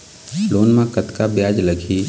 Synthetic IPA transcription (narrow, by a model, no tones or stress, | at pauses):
loːnmãkət̪kabjaːd͡ʒləɡʱiː